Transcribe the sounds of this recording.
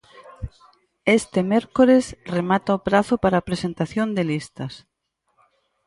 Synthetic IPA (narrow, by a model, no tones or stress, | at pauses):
est̪emeɾkoɾesremat̪aopɾaθopaɾaːpɾesent̪aθjond̪elist̪ɐs